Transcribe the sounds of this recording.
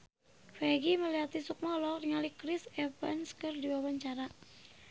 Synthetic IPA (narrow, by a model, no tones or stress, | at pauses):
fɛɡiməliat̪isuk̚mɔlɔk̚diŋalikɾisɛfɛnskɨrdiwawaɲt͡ʃaɾa